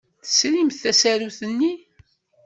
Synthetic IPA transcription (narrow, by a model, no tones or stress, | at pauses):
θə̥slimθæsæɾuθənːi